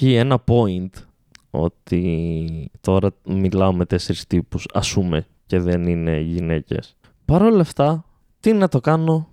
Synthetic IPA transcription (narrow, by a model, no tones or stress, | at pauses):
ie̞nɐpo̞int̪ | o̞̰t̪i | t̪o̞ɾɐmilɐome̞t̪e̞se̞ɾist̪ipusɐ̰sume̞ | ce̞ðe̞nine̞ʝine̞ce̞̰s | pɐɾo̞lɐft̪ɐ | t̪inɐt̪o̞kɐno̞